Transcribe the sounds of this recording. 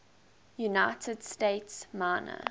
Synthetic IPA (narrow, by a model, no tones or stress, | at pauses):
junaɪtʰədsteɪtsmaːnə̰